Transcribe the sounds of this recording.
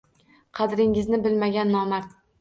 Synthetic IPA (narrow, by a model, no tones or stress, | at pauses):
qʰɑd̪ɾɪŋɪznɪbɪlmaɡʲanːɒmaɾ